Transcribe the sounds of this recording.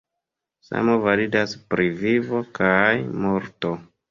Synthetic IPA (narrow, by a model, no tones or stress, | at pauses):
sa̰mo̞validaspɾivivo̞kajmo̞ɾto̞